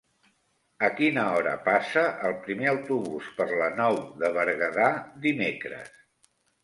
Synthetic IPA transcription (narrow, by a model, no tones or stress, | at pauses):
əkinəɔɾə̰pasəʔəlˠpɾimeəwt̪uβuspəɾlənɔwðəβəɾɣəðad̪imekɾə̰s